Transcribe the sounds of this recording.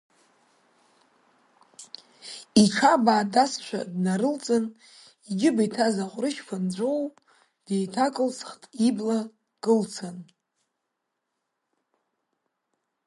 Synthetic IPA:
iʈ͡ʂʰabaːdasʃʷᶣa̰dnaɾɨlt͡sʼɨn | iɡʲɪbajtʰazaχʷʼrɨʃpʰand͡ʒʷow | d̥e̞jtʰakʼɨlt͡sʰχtʼibla | kʼɨlt͡sʰan

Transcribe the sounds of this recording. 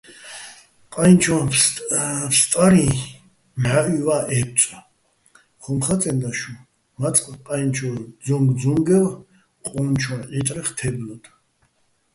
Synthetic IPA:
qʼant͡ʃʰɔ | pst̪ʼaɾi | mʕaʔivaʔɛp̚t͡sʼ | χɔmχat͡s̪ʼɛnd̪aʃu | mat͡sʼqʼqʼajnt͡ʃʰɔd͡zɔŋɡd͡zɔŋɡɛv | qʼɔnt͡ʃʰwɔnʔit̪ʼɾɛχt̪ʰɛblɔd̪̥ʰ

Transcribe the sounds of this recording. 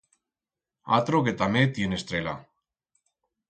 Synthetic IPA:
a̰t̪ɾoket̪amet̪jenest̪ɾela̰

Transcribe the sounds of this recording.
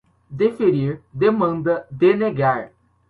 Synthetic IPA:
d̪efeɾiɾd̪emɐ̃nd̪ɐd̪eneɡaɾ

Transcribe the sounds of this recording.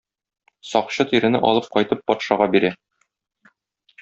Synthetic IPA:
sɒqɕɤt̪iɾɘ̆nɘ̰ʔɒ̰lˠɤp̚qɒjt̪ɤpːɒt̪ʃɑʁɑbiɾæ

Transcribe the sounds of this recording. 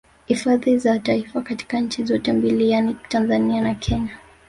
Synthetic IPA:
hifaðizataifakati̥kaɲ̩t͡ʃizɔtɛmbilijanitanzanianakʰɛɲa

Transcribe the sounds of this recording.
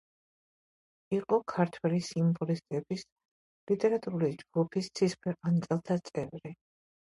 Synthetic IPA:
iqʼɔkʰaɾt̪ʰwɛlisimbɔlist̪ʼɛbis | lit̪ʼɛɾat̪ʼuɾulid͡ʒɡupʰist̪sʰispʰɛant̪sʼɛlˠt̪ʰat̪sʼɛvɾi

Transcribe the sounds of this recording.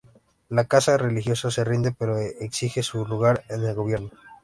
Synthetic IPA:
lakasare̞lixjo̞saserind̪e̞pe̞ɾoeksixe̞suluɣaɾene̞lɣo̞βje̞ɾno̞

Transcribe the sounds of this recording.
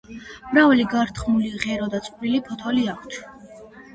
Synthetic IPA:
mɾavaliɡaɾt̪ʰχmuliʁɛɾɔd̪at̪sʼqʼɾilipʰɔt̪ʰɔliakʷʰt̪ʰ

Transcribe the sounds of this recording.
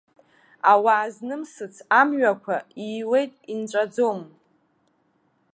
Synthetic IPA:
awaːznɨmsɨt͡sʰamɥakʷʰaiːwe̞jtʼint͡ʃʷʼad͡zom

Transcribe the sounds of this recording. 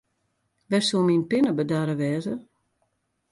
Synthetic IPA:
ʋɛsuminpɪnəbədaɾəʋɛːzə

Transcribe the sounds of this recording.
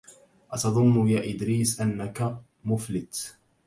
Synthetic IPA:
ʔat̪ɑðˤʊnːʊjaːʔɪd̪ɾiːsʔanːaka | mʊflɪt̪

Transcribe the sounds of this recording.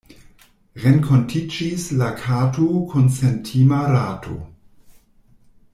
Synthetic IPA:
ɾenkʰontʰid͡ʒislakʰatukʰonsentʰimaɾatʰo̰

